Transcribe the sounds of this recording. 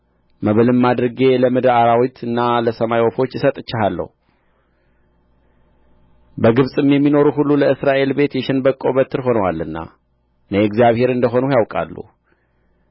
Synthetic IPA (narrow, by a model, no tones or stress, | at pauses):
məβəlɨmːad̪ɾəɡe̞ləmɨd̪aɾawit̪ʰɨnːaləsəmajwofo̞t͡ʃːɪsət̪ʼɨt͡ʃːɪɦalːə̰hu | bəɡɨβsʼɨmjɛmːino̞ɾuɦulːuləɨsɾaʔe̞lbe̞t̪jɛʃɪnbəkʼːo̞bət̪ʰːɨɾɦo̞nwalːɨnːa̰ | nəɪɡzijaβhe̞ɾɨnd̪əɦo̞nujawkʼa̰lːṵ